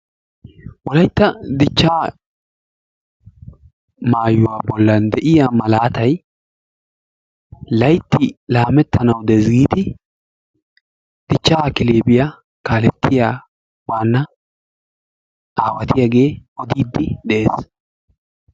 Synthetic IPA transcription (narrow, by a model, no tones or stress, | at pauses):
wɔlɐjt̪ːɐd̪ɪt͡ʃːaː | maːjʊwaːbɔlːɐnd̪ɛʔɪjaːmɐlaːt̪ɐj | lɐjt̪ːɪlaːmɛt̪ʰːɐnɐwd̪ɛzɡiːd̪ɪ | d̪̥ɪt͡ʃːaːkɪleːbɪja | kaːlɛt̪ʰːɪjaː | waːnːɐ | ʔaːwɐt̪ɪjaɡe̞ːʔɔd̪iːd̪ːɪd̪ɛʔeːs